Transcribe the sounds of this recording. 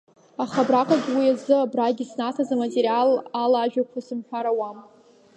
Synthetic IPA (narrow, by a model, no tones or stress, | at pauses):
aχabrakʼaɡʲwiazɨabraɡʲisnatʰazamatʼeɾialalaːʒᶣakʷʰasɨmħᶣaɾawam